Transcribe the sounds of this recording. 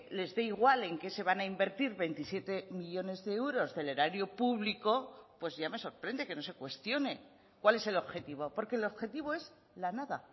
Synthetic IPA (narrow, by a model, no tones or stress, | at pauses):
le̞zðe̞iɣwale̞ŋke̞se̞β̞anaimbe̞ɾt̪iɾβe̞jnt̪isje̞t̪e̞miʎo̞ne̞zðe̞ewɾo̞zðe̞leɾaɾjopuβliko̞pwe̞zʝame̞so̞ɾpɾe̞nd̪e̞ke̞no̞se̞kwe̞st̪jo̞ne̞ | kwale̞se̞lo̞βxe̞t̪iβ̞o̞po̞ɾke̞lo̞βxe̞t̪iβ̞o̞e̞z | lanaða